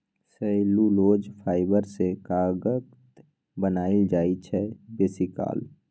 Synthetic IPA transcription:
səɪluloːd͡ʒpʰaːɪbəɾsekaːɡət̪ | bənaːild͡ʒaːit͡ʃʰɛbeːsika̰ːl

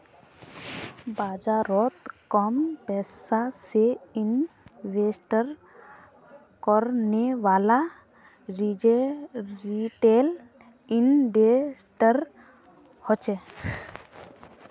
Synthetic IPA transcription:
baːd͡ʒaɾɔt̪kɔmpɛsaseinʋesʈəɾ | kɔɾneʋaːla | ɾid͡ʒeɾiʈel | inbesʈəɾ | hɔt͡ʃe

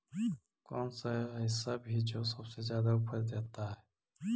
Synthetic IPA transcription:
kɔːnsaəɦɪsːabʱid͡ʒosəbsezjaːd̪aʊpʰəɾd̪eːt̪aɦɛ

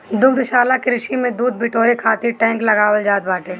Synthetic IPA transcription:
d̪ʊɡd̪ʃaːlakɾɪʃimẽd̪uːd̪̚bɪʈoːɾekʰaːt̪iʈɛ̃ːŋklɐɡaːwəld͡ʒaːt̪̚baːʈʰeː

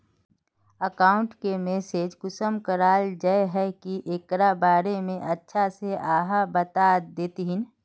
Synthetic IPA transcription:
əkaːʊ̃ɳʈkemeːseːd͡ʒkʊsəmkəɾaːld͡ʒəeɦɛkiʔekɾabaːɾemẽʔɐtːʃʰaseaːɦabət̪aːd̪eːt̪iɦɪn

